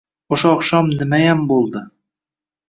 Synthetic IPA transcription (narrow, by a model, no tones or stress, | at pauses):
ŏʃoɒqʃɑmnɘ̆mæjæmbulˠd̪ɤ